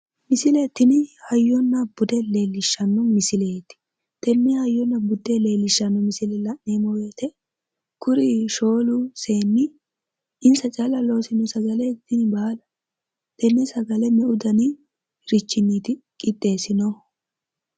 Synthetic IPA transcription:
mɪsɪlet̪ːɪnɪhɐjːɔnːɐbʊd̪ɛle̞ːlːɪʃːɐnːɔmɪsɪleːt̪ːɪ̥ | t̪ɛnːɛhɐjːɔnːɐbʊd̪ɛle̞ːlːɪʃːɐnːɔmɪsɪlɛlɐnːeːmɔwe̞ːt̪ʰɛ | kʊɾɪʃo̞ːlʊse̞ːnːɪ | ɪnsɐt͡ʃʼɐlɐlo̞ːsɪnɔsɐɡɐlɛt̪ːɪnbaːlɐ | t̪ɛnːɛsɐɡɐlɛmɛʔʊd̪ɐnɪ | ɾɪt͡ʃːɪnːiːt̪ɪkʼɪt̪ʼːe̞ːsɪnɔ

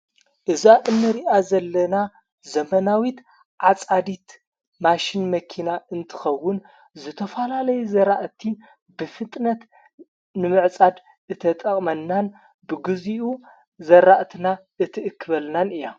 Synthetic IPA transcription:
ʔɨzaʔɨnːɨɾiʔazɐlːɐna | zɐmɐnawit̪ | ʕat͡sʼad̪it̪ | maʃinmɐkʰinaʔɨnt̪ʰɨ̥xɐwːʊn | zɨt̪ʰɐfɐlalɐjuzɐɾaʔt̪ʰi | bɨfɨt̪ʼnɐt̪ | nɨmɨʕt͡sʼad̪ | ɨt̪ʰɐt̪ʼɐχʼmɐnːan | bɨɡɨziʔu | zɐɾaʔt̪ʰinaʔɨt̪ʰɨʔɨkʰːɨβɐlnanɨja

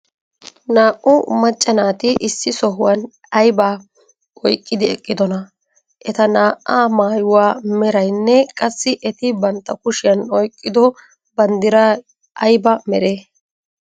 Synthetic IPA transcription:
naːʔʔʊmɐt͡ʃʼːɐnaːt̪ɪʔɪsːɪsɔɦʊwɐn | ɐjbaː | ʔɔjkʼːɪd̪ɪɛkʼːɪd̪ɔnɐ | ʔɛt̪ɐnaːʔːaːmaːjʊwaːmɛɾɐjnːɛkʼɐsːɪʔɛt̪ɪbɐnt̪ːɐkʊʃɪjɐnɔjkʼːɪd̪ɔ | bɐnd̪ɪɾɐ | ʔɐjbɐmɛɾeː

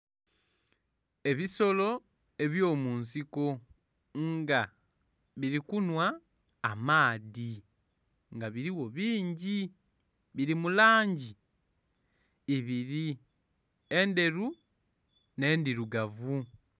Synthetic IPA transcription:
e̞βiso̞lo̞ | e̞βjo̞ːmuːnsiko̞ | ŋɡa | βiɾikunwaː | maːði | ŋɡaβiɾiwo̞βiːɲɟi | βiɾimulaːɲɟi | βiɾi | e̞nde̞ɾu | ne̞ːndiɾuɡavu

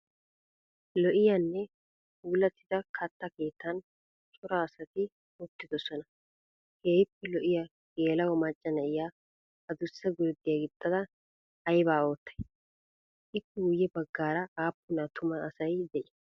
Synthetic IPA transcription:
lɔʔɪjanːɛ | uːlɐt̪ːɪd̪ɐkʰɐt̪ːɐke̞ːt̪ːɐn | t͡ʃʼʊɾɐːsɐt̪ɪ | ʊt̪ːɪd̪ɔsɔnɐ | heːɪpːɛlɔʔɪjɐ | ɡeːlɐwɔmɐt͡ʃʼːɐnɐʔɪja | ɐd̪ʊsːɛɡʊɾd̪ːɪjaɡɪt̪ʼːɐd̪ɐː | jbaːo̞ːt̪ːɐ̥j | ʔɪpːɛʊjːɛbɐɡːaːɾɐaːpːʊnɐt̪ʊmɐːsɐjd̪ɛʔɪ

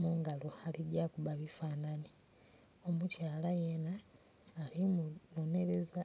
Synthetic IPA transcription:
muːŋɡaloaliɟakuβaβifaːnani | o̞mucaːlajenaː | limuno̞ne̞ɾe̞za

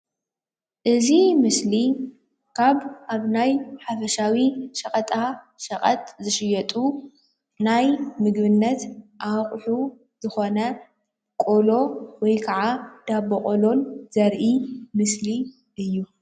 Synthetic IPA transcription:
ʔɨzimɨsli | kʰaβʔaβnajħafɐʃawiʃɐkʼɐt̪ʼa | ʃɐχʼɐt̪zɨʃɪjɐt̪ʼu | najmɨɡβɨnːɐt̪ʔaχʼħu | zɨxo̞nɐ | kʼo̞lo̞wɔjkʰɐʕad̪̥abɐkʼolo̞nz̥ɐɾʔimɨsli | ʔɨjːu

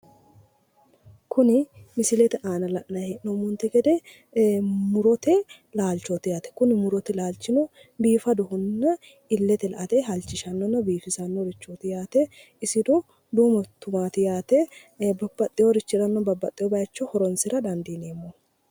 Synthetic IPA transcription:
kʊnɪmɪsɪlɛt̪ɛʔaːnɐlɐʔnɐɛʔnɔmʊnt̪ɛɡɛd̪ɛ | mʊɾɔt̪ɛ | laːlt͡ʃːɔt̪ɪjaːt̪ɛ̥kʊnɪmʊɾɔt̪ɛlaːlt͡ʃːɪnɔ | biːfɐd̪ʊɦʊnːɐ | ɪlːɛt̪ɛlɐʔɐt̪ɛɦɐlt͡ʃːɪʃɐnːɔnːɐbiːfɪsɐnːɔɾɪt͡ʃːot̪ɪjaːt̪ɛ | ɪsɪd̪ɔ | d̪uːmɐt̪ʊmaːt̪ɪjaːt̪ɛ | bɐbːɐt̪ʼːɪjɔɾɪt͡ʃːɪɾɐnːɔbɐbːɐt̪ʼːɪjɔbɐjɐt͡ʃːɔhɔɾɔnsɪɾɐd̪ɐnd̪iːneːmːo

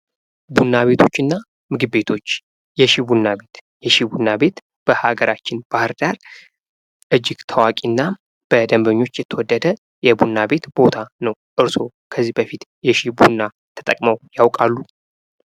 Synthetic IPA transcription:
bunːaβe̞t̪ʰo̞t͡ʃːɨnːa | mɨɡɨːe̞t̪ʰo̞t͡ʃː | jɛʃibunːabe̞t̪ | jɛʃibunːabe̞t̪ | b̥əhaɡəɾʔat͡ʃːɪnb̥ahɨɾd̪aɾ | ʔɨd͡ʒːɪɡt̪ʰəwakʼinːa | b̥əd̪əmbəɲːo̞t͡ʃːjɛt̪ʰːəwɔd̪ːəd̪ə | jɛbunːabe̞t̪b̥o̞t̪ʰanəwʔɨɾso̞ | kʰəzːihbəfit̪jɛʃihbunːa | t̪ʰə̥t̪ʼəkʼməwjawkʼalːu

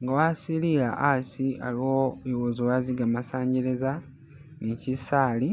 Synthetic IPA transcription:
ŋɡawasiliɾaʔasia̰lioowozowaziɡamasaːɲɟeɾeza | nicisaːli

